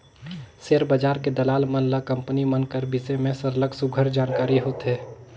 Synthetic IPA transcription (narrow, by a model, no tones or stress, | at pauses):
seːɾbəd͡ʒaːɾked̪əlaːlmənlakə̃mpnimənkəɾbisemẽsəɾləɡsʊɡʱəɾd͡ʒaːnkaːɾiɦoːt̪ɦɛː